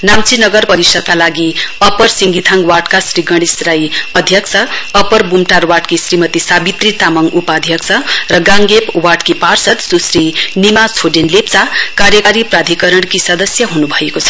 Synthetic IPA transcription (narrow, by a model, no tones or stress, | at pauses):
namt͡sinʌɡʌrpʌɾisʌd̪̚kalaɡiʌpʌrsiŋɡit̪ʰaŋwaʈkasrɾiɡʌɽ̃isɾajʌd̪ʱjʌkt͡sʰʌʌpʌrbumʈarwaʈkisrimʌt̪isabit̪rit̪amʌŋupad̪ʱjʌkt͡sʰʌrʌɡãŋɡepwaʈkiparsʌt̪susɾinimat͡sʰoɖenlep̚t͡sakaɾjʌkaɾiprad̪ʱikʌɾʌɽkisʌd̪ʌsjʌɦunubʱʌjekot͡sʰʌ̥